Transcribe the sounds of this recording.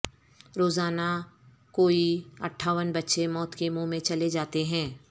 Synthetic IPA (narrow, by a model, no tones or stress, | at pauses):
ɾoːzaːna | koːiɐʈʰːaːʋənbɐtːʃemɔːt̪kemõmẽt͡ʃɐled͡ʒaːt̪eɦɛ̃ː